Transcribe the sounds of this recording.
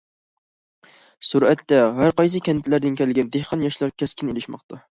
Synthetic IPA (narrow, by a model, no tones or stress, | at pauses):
suɾɛt̪ːɛɦæɾqɑjsɨkʲʰɛnt̪ʰɪlæɾd̪ɪnkʲʰɛlɡʲɛnd̪ehqʰɑnjɑʃlˠɑɾkʲʰɛskʲʰɪnelɪʃmɑqt̪ʰɑ